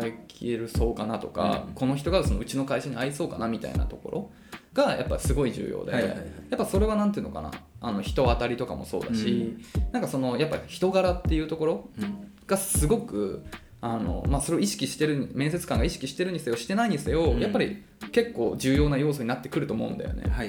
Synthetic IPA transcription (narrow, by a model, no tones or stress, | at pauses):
ekʲʰḭe̞ɾɯ̟so̞ːkanat̪o̞ka̰ko̞no̞ç̬ʲi̥t̪o̞ɡaso̞no̞ɯ̟t͡ɕino̞kaiɕaɲ̟iaiso̞ːkanamʲit̪a̰ḭna̰t̪o̞ko̞ɾʔo̞̰ | ɡ̥aja̰pːasɨɡo̞iʑɨ̰ːjo̰ːd̪ejapːaso̞ɾe̞β̞anãnt̪eɯnoka̰na̰ano̞çi̥t̪o̞at̪aɾʲit̪o̞ka̰mo̞so̞̰ːd̪aɕinãŋkaso̞no̞japːaiçi̥t̪o̞ɡaɾat̪ːe̞jɯ̟ːt̪o̞ko̞ɾo̞ | ɡ̥asɨɡo̞kɯ̟ | ano̞̰maso̞ɾe̞oiɕi̥kʲiɕi̥t̪e̞ɾɯ̟ɲmẽ̞se̞t͡sɨ̥kãŋɡaiɕi̥kʲiɕi̥t̪e̞ɾɯ̟ɲ̟ise̞o̞ɕi̥t̪e̞naiɲ̟ise̞o̞japːaɾʲḭ | ke̞kːo̞ːd͡ʑɨːjo̞ːnajo̞ːs̬o̞ɲ̟inat̪ːe̞̥kɯ̟ɾɯ̟t̪oːmo̞̰ɯ̟̃nd̪ajo̞̰nḛ